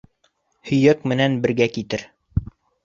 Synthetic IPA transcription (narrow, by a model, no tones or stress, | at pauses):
hɵ̆jækmɘ̆nænbɘ̆ɾɡækit̪ɘɾ